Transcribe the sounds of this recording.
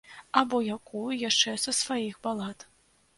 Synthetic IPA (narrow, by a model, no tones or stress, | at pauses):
abɔjakujujaʂt͡ʂɛsɐsvajixbalˠat̪